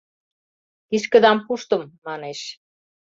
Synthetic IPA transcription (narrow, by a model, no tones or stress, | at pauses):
iʃkə̆d̪ɑmpuʃt̪ɤ̆mːɑneʃ